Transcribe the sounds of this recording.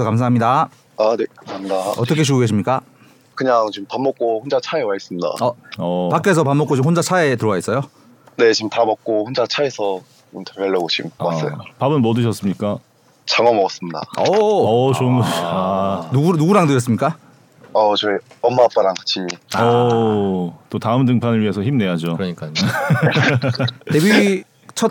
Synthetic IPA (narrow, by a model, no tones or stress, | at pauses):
ʌkams̬ʰaɦamɲida | anekamsʰaɦamɲidaʌt͈ʌkʰe̞t͡ɕuɡuɡe̞ɕ̬ʰimɲik͈a | kɯɲaŋt͡ɕimpanmːʌk̚k͈ohond͡ʑat͡ɕʰaewais͈ɯmɲida̰ʌʌpakk͈es̬ʰʌp̬amːʌk͈ot͡ɕimɸond͡ʑat͡ɕʰaetɯɾʌwais͈ʌjo | ne̞t͡ɕimtamʌk̚k͈ohond͡ʑat͡ɕʰaesʰʌ | t͡ɕomtʰeeɭːʌɡot͡ɕimwas͈ʌ̰jopabɯnmʌdɯɕ̬ʰʌs͈ɯmɲik͈a | t͡ɕaŋʌmʌɡʌs͈ɯmɲida̰ʌʌt͡ɕonanuɡunuɡuɾaŋdɯjʌs̬͈ɯmɲik͈a | ʌt͡ɕʌiʌmːap͈aɾaŋt͡ɕʰimiʌ | t͈otaɯmd̬ɯŋpʰanɯɭɥiɦe̞sʰʌçimne̞jad͡ʑokɯɾʌɲik͈a | ebi | t͡ɕʰʌt̚